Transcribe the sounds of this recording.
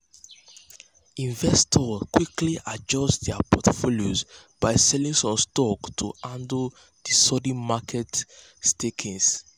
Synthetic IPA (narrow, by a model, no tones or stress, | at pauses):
ĩnvɛstʰɔkwikliʔad͡ʒɔstdɛapʰɔtfoljosb̥aɪsɛlĩŋsɔ̃mstɔktʰuãndə | disɔdĩmakʰɛt | stekʰĩŋs